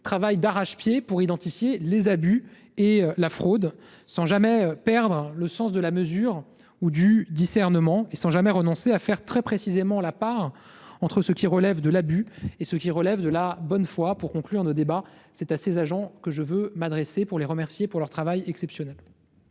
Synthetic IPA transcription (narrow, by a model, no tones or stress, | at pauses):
t̪χavajd̪aʁaʃpjepuʁid̪ɑ̃t̪ifjelezaby | elafχod̪ | sɑ̃ʒamɛpɛʁd̪ʁləsɑ̃s̬d̪əlaməzyʁ | ud̪yd̪isɛʁnəmɑ̃esɑ̃ʒamɛʁənɔ̃seafɛʁt̪χɛpχesizemɑ̃lapaʁ | ɑ̃t̪χəsəkʲiʁəlɛvd̪əlabyesəkʲiʁəlɛvd̪əlabɔnfwapuʁkɔ̃klyʁnod̪ebasɛt̪asezaʒɑ̃kəʒəvømad̪ʁesepuʁleʁəmɛʁsjepuʁlœʁt̪χavajɛksɛpsjɔnɛl